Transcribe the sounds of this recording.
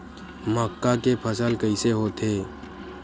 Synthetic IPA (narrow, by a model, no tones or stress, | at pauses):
məkːakepʰəsəlkəiseɦot̪ʰeː